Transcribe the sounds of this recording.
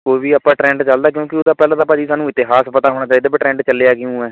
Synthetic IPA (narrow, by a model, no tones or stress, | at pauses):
koːiʋiːapːãːʈɾɛ̃ːɳɖt͡ʃəld̪aːk̬jõːkɪod̪aːpɛːlãːd̪aːpəd͡ʒiːsaːnũːɪt̪ːeːɦaːspət̪aːɦoːɽ̃aːt͡ʃaːid̪aːbɪʈɾɛ̃ːɳɖt͡ʃəleːaːkɪjũːɛː